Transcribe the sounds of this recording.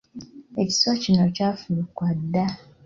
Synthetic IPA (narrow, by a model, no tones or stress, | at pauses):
eci̥swacinocaːfulukwadːa